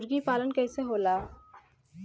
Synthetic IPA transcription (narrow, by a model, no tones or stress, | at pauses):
ɾɡipaːlənkɛːseɦoːlaː